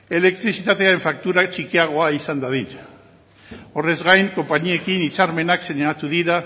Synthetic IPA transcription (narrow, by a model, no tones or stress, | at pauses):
e̞le̞k̚t̪ɾisit̪at̪e̞aeɱfak̚t̪uɾat͡ʃikiaɣ̞o̞aisand̪aðin | o̞re̞zɣajŋko̞mpaɲie̞kinit͡saɾme̞nakse̞ɲaat̪uðiɾa